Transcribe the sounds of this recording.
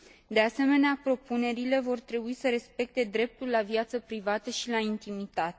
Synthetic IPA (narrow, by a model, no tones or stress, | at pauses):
d̪e̞ase̞me̞neapɾo̞pune̞ɾile̞vo̞rt̪ɾe̞buisəɾe̞spe̞k̚t̪e̞d̪ɾe̞p̚t̪ulːavjat̪səpɾivat̪əʃilaint̪imit̪at̪e